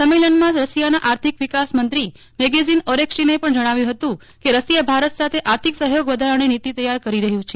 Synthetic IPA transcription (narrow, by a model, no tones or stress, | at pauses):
səmelənmãd͡ʒɾəsijanaʔaɾt̪ʰikʋikasmənt̪ɾi | meɡezinɔɾekʃinepəɳd͡ʒəɽ̃aʋjũɦət̪ũ | keɾəsijabʱaɾət̪sat̪ʰeʔaɾt̪ʰiksəɦjoɡʋəd̪ʱaɾəɽ̃init̪it̪əjːaɾkəɾiɾəɦjũt͡ʃʰe